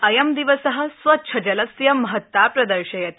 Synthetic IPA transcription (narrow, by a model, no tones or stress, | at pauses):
ɐjɐmd̪iʋɐsɐɦɐ̆sʋɐt̪ːʃʰɐd͡ʒɐlɐsjɐmɐɦɐt̪ːapɾɐd̪ɐɾʃɐjɐt̪